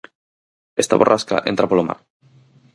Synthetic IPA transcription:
est̪a̰βorʔaska̰ʔent̪ɾapoloma̰ɾ

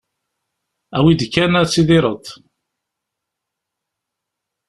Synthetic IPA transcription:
æwid̪kːænæt͡sːiðɪɾˤət̪ˤ

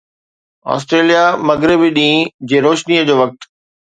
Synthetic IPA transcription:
ɔ̰ːs̬ʈɾeːlijamɐɡɾɪbiɗĩːd͡ʑeːɾoːʃniəd͡ʑoːʋɐk̚t̪

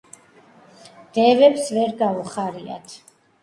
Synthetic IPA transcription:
d̪̥ɛvɛpsvɛɾɡauχaɾia̰t̪ʰ

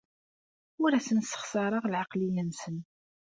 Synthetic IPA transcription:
ʊɾæsənsːə̥χsɑɾˤɑʁlʕɑqlijənsən

